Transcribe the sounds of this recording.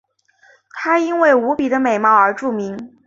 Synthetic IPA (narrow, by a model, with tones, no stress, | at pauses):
t̪ʰa˥i˥nwe˥˩ɪu˧˥pi˨˩d̪ə˦me˨˩ɪmɑ˥˩ʊə˞˧˥ʈ͡ʂu˥˩mi˧˥ŋ